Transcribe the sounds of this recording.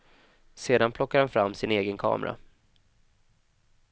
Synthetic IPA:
seːd̪anpʰlɔkːaɾhanfɾamːsɪneːɡənkʰɑ̰ːmʔɾa̰

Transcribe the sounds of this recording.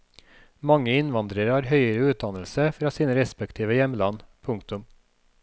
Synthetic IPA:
mɑŋəɪnʋɑnd̪ɾəɾhɑːɾhœʏəɾəʉːt̪̚d̪ɑnəl̩səfɾɑːsiːnəɾɛspɛkt̪ʰiːʋəjɛmlɑnpʰʊŋkt̪ʊm

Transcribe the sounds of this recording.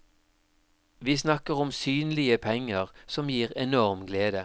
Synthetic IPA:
ʋiːsnɑkəʁɔmsyːnlɪəpʰɛŋəʁsɔmjiːʁɛnɔʁmɡleːd̪ə

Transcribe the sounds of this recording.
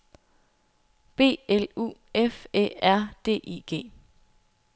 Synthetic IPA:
b̥e̝̰ːelṵː | efḛæɐ̰d̥e̝̰ːʔiːɡ̥e̝̰ː

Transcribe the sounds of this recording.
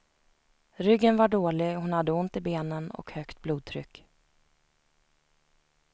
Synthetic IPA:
ɾʏɡːənvaɖoːlɪhʊnhad̪ːəʊnt̪ɪbeːnənɔ̰khœkt̪̚bluːd̪̚t̪ʰɾʏ̰kː

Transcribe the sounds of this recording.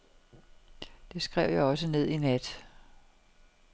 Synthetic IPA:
d̥e̝sɡ̥ʁɛʊ̰jäɒ̽səne̝ð̰ˠinæd̥

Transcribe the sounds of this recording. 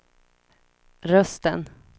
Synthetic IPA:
ɾœst̪ə̰n

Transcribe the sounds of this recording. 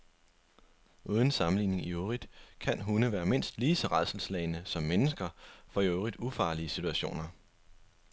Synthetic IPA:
ʔuːð̞ˠən̩sɑ̈mn̩lḭːne̝ŋioʁid̥kʰænɦunəʋæːɐme̝n̰sd̥liːsɒ̽ʁɑ̈ð̰ˠsl̩slɛɪnəsɒ̽mːenəsɡ̥ɐfɒ̽joʊʁid̥ufɑ̈ːliəsit͡sʰuæɕo̝̰ːnɐ

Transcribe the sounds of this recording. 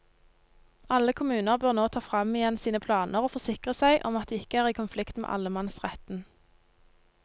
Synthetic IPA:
ɑləkʰʊmʉːnəʁbøːʁnoːt̪ʰɑːfʁɑmɪjɛnsiːnəpʰlɑːnʔəʁoːfɔʁsɪkʁəsæɪʔɔmɑt̪̚d̪ɛːɪkəæːʁiːkʊnflɪkt̪mḛʔɑ̰ləmɑnsʁɛt̪n̩

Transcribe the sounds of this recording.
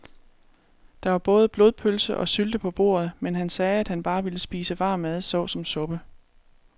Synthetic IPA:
d̥ɑ̈ʋɑ̈b̥ɔ̽ːð̞ˠəb̥lo̝ðˠpʰølsəʔɒ̽syld̥əpʰɒ̽b̥o̝̰ːɐð̞ˠmenɦænsɛːæd̥hænb̥ɑ̈ːʋiləsb̥ḭːsəʋɑ̈ːmæð̞ˠsɒʊsɒ̽msɔ̽b̥ə

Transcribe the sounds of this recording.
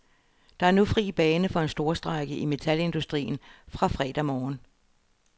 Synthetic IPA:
d̥ɑ̈æɐnufʁḭːb̥ɛːnəfɒ̽e̝nsd̥o̝ːɐsd̥ʁɑ̈ɪɡ̥əʔime̝t͡sʰæle̝nd̥usd̥ʁḭːn̩fʁɑ̈fʁɛ̰ːd̥æmɒːn

